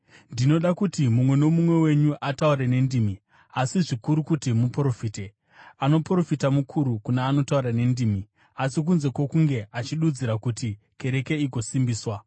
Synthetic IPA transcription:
ndino̞ɗakutimumwe̞no̞mumwe̞we̞ɲuʔatauɾene̞ndiːmi | asiʐikuɾukutimupro̞fiːte | ano̞pro̞fitamukʰuɾukunaːno̞tauɾane̞ndiːmi | asik̬unze̞kwo̞kuŋɡe̞ʔat͡ʃiɗud͡ziɾakuti | ke̞ɾe̞ke̞iɡo̞simbiːswa

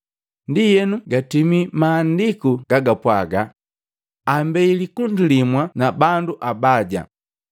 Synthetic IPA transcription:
ndijɛnuɡatimimaːndikuɡaɡapwaɡa̰ | ambɛilikundulimwanabanduʔabaɟa̰

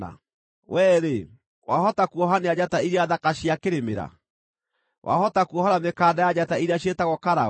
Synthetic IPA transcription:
a̰ | wɛːɾe | wahɔtakuɔɦanead͡ʑataiɾeaðakaɕiakeɾemḛɾa̰ | wʔa̰hɔtakuɔhaɾamekaːdajad͡ʑataiɾeaɕetaɣɔkaɾa

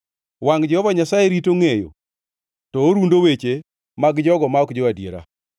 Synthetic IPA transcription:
waŋd͡ʒɛhɔvaɲasajeɾitoŋejo̰ | tɔːɾundowet͡ʃe | maɡd͡ʒɔɡɔmaɔkd͡ʒɔwadjeɾa̰

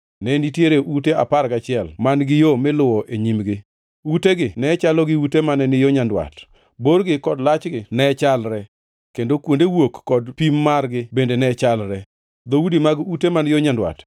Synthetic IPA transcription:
nɛnitjeɾeʔutea̰paɾɡat͡ʃɪɛlmanɡɪjomɪlʊwɔʔeɲimɡɪ | uteɡɪnɛt͡ʃalɔɡɪutemanɛnɪjoɲandwa̰t | borɡɪkɔdlat͡ʃɡɪnɛt͡ʃalɾɛ | kendokwondewokːɔdpimːarɡɪbendenɛt͡ʃalɾɛ | d̪oudimaɡutemanjoɲandwa̰t

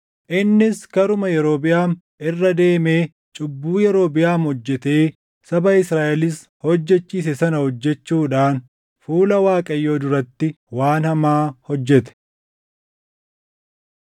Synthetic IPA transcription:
ʔɪnːɪskɐɾʊmɐjɛɾo̞ːbɪjaːn | ʔɪrːɐd̪e̞ːme̞ː | t͡ʃʼʊbːuːjɛɾo̞ːbɪjaːmhɔd͡ʒːɛt̪e̞ː | sɐbɐɪsɾaːʔɛlɪs | hɔd͡ʒːɛt͡ʃːiːs̬ɛsɐnɐhɔd͡ʒːɛt͡ʃːuːᶑaːn | fuːlɐwaːkʼɐjːoːd̪ʊɾɐt̪ːɪ | waːnhɐmaːhɔd͡ʒːɛt̪ɛ̥

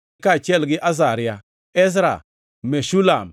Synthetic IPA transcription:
kat͡ʃelɡiʔazaɾia | ez̬ɾa̰ | meʃulam

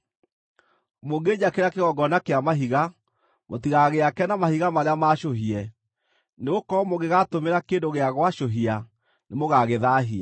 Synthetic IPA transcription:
moɡeɲakeɾakeɣɔɡɔnakeamaɦiɣa | mo̰tiɣaɣeakɛnamahiɣamaɾeamaɕoɦiɛ | neɣokɔmoɣeɣatomeɾakendoɣeaɣwaʃoɦia | nemoɣaɣeðaːɦia

